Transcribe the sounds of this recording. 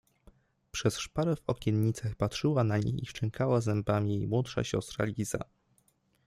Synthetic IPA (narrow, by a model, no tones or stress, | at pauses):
pʂɛsʂpaɾɛvɔkʲɛnɲit̪saxpatʂɘwanaɲḛjiʂt͡ʂɛŋkʰawazɛmbamʲijejmwɔtʂa̰ɕɔ̰st̪ɾa̰lʲiza̰